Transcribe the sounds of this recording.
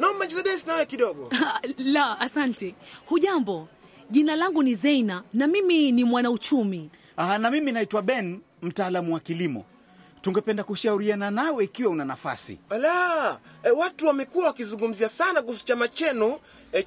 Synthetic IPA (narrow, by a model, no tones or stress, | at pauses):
naɔmbad͡ʒizaɗɛsnaajɛkiɗɔɡɔlaasantɛhuʄambɔ | ʄinalaŋɡunizɛinanamiminimwanaut͡ʃumi | anamiminaitwaɓɛn | m̩taːlamuwakilimɔ̰ | tuŋɡɛpɛndakuʃauɾiananawɛikiwaunanafa̰sḭala | ɛwatuwamɛkuawakizuŋɡum̩ziasanaɡusu̥t͡ʃamat͡ʃɛnu | ɛ